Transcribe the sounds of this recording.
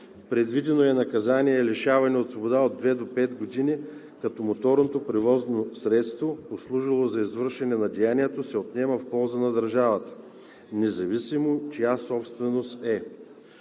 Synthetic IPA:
pɾɛd̪vid̪ɛnoɛnɐkɐzanʲiɛːlɛʃavɐnɛot̪svobod̪aod̪ːvɛd̪opɛt̪ɡod̪ini | kɐt̪ɔmot̪ɔɾnot̪opɾɛvɔznosɾɛt̪st̪voposlˠuʒilˠozɐizvəɾʃɛnɛnɐd̪ɛjaniɛt̪osɛot̪nɛməfpɔlˠzənɐd̪ɐɾʒavət̪ə̥ | nɛzɐvisimot͡ʃijasɔpst̪vɛnost̪ɛ

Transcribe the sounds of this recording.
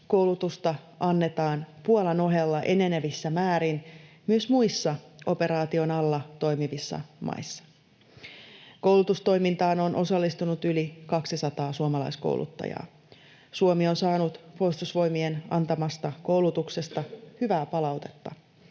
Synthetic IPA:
ko̞wlut̪ust̪ɑ | ʔɑnːe̞t̪ɑːnpuolɑno̞ɦelːɑʔe̞ne̞neʋisːæmæːɾin | myøsmuisːɑʔo̞pe̞ɾɑːt̪io̞nɑlːɑt̪o̞jmiʋisːɑ̰mʔɑ̰jsːɑ̥ | ko̞wlut̪ust̪o̞jmint̪ɑːno̞nʔo̞sɑlːist̪unut̪ylikɑksisɑt̪ɑːsuomɑlɑ̰jsko̰wlʔṵt̪ːɑ̰jɑ̰ː | suomio̞nsɑːnut̪po̞ist̪usʋo̞jmienɑ̰nt̪ɑmɑst̪ɑko̞wlut̪ukse̞st̪ɑhyʋæːpɑlɑwt̪e̞̥t̪ːɑ̰

